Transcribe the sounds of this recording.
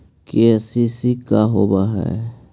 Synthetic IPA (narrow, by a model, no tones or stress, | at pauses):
kesisikaɦobaɦɛ̰ː